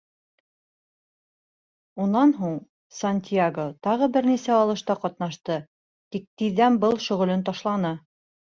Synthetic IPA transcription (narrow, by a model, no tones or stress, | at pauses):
unːɑnɦuɴ | sanʲt̪ʲiaɡot̪ɑʁɤbɘɾnisæɑlˠɤ̆ʃt̪ɑqɑt̪nɑʃt̪ɤ | t̪ik̚t̪iðːænbɤlˠʃɵ̆ʁɵ̆lɘnt̪ɑʃlˠɑnɤ